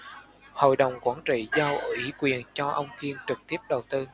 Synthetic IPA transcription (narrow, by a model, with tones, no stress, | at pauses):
ho̰˧˨jɗə˨˩wŋ͡mkwaː˧˩nt͡ɕḭ˧˨zaː˧wi˨˩˦kwi˨˩ənt͡ɕɔ˧ʔə˧wŋ͡mki˧ənt͡ɕɨ˨˩k̚t̪i˦˥əp̚ɗə˨˩wt̪ɨ˧